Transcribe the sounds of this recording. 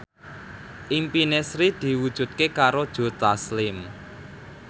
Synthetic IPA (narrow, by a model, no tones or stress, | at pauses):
ʔimpinesɾid̪̥i̤wud̥ʒ̥ṳt̪̚kekaɾod̥ʒ̥o̤t̪aslɪm